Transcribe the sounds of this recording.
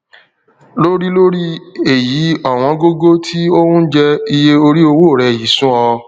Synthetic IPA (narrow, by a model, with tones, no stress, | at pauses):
lo˦ɾi˦lo˦ɾi˦e˨ji˨˦ɔ˦˨w̃ɔ̃˧ɡo˦ɡo˦tʰi˦o˦hũ˦d͡ʒɛ˧i˧je˧o˧ɾi˦o˧wo˦˨ɾɛ˨ji˨˦sũ˦ɔ˧